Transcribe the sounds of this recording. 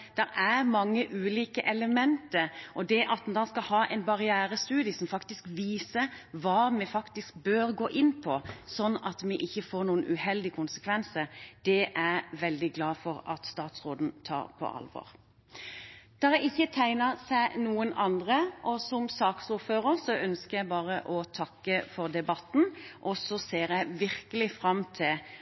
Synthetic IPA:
d̪̥ɛɾæɾmɑŋːəʔʉːliːkəʔɛləmɛnt̪əɾʔɔd̪ɛʔɑt̪n̩d̪ɑːskɑlhɑːʔɛ̰ɪnbɑʁɪæːɾəst̪ʉːd̪ɪəsɔmfɑkt̪ɪskʋiːsəʋɑːmɛfɑkt̪ɪsk̚bøːɾɡoːʔɪnːpʰɔsɔnːɑt̪mɛʔɪçːəfoːɾnuːənʔʉhɛld̪ɪkʰʊnsə̥kʰʋɛnsəɾd̪̥ɛʔæɾʋɛld̪ɪɡlɑːfɔɾɑt̪st̪ɑːt̪sʁoːd̪n̩t̪ʰɑ̰ːɾpʰɔ̰ʔɑ̰lʋɔ̰ːɾ | d̪̥ɑːjæɪɪçːət̪ʰæɪnəɾsæɪnuːənɑnd̪ʁəʔɔsɔmsɑːksuːɾføːʁəɾsɔʔœnskəjæɪbɑːʁəʔɔt̪ʰɑkːəfɔʁd̪ɛbɑt̪n̩ʔɔsɔseːɾjæɪʋɪɾkəlɪfɾɑmːt̪ʰɪl

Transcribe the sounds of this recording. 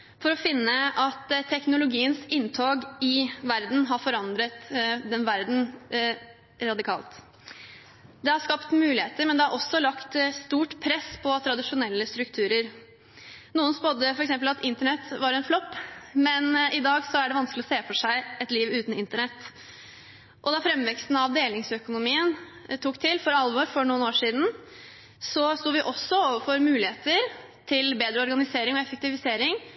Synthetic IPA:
fɔɾɔfɪnːəʔɑt̪t̪ʰɛknʊlʊɡiːənsɪnːt̪ʰoːɡɪʋæɾd̪n̩ɦɑɾfɔɾɑnd̪ɾət̪d̪ɛnʋæɾd̪n̩ | ɾɑd̪ɪkʰɑ̰ːlt̪ | d̪ɛhɑɾʂkɑpt̪mʉːlɪheːt̪əɾmɛnd̪ɛhɑɾʔɔsːɔlɑkt̪st̪uːʈpʰɾɛspʰɔt̪ʰɾɑd̪ɪʂʊnɛlːəst̪ɾʉkt̪ʰʉːɾəɾ | nuːənspod̪əfɔɾɛksɛmp̬əlɑt̪ɪnt̪əɳɛt̪ːʋɑɾɛnflɔpːmɛnɪd̪ɑːɡsɔæɖɛʋɑnsklɪɔseːfɔʂæɪɛt̪liːʋʉːt̪n̩ɪnt̪əɳɛt̪ː | ʔɔd̪ɑfɾɛmːʋɛkst̪n̩ɑʋd̪eːlɪŋsœkʊnʊmiːən | t̪ʰuːkt̪ʰɪlfɔɾɑlʋɔɾfɔɳuːənoːʂiːd̪n̩ | sɔst̪uːʋɪʔɔsːɔoːʋəfɔɾmʉːlɪheːt̪əɾ | t̪ʰɪlbeːd̪ɾəɔɾɡɑnɪseːɾɪŋɔɛfək̚t̪ɪʋɪseːɾɪŋ

